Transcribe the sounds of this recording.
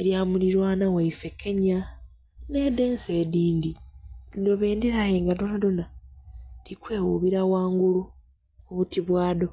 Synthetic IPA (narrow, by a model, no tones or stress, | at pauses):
eɾjaːmuliɾwanawaife̞kʰeɲa | ne̞de̞ːnseːdiːndiidoβeːndiɾajeŋɡadonadona | tikwe̞ːwuβiɾawaːŋɡulu | uβutiβwaːdo̞